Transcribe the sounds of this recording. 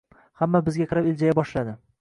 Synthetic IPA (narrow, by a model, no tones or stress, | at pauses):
hamːabɪzɡʲaqʰɨɾɪpɪld͡ʒajabɒʃlad̪ɪ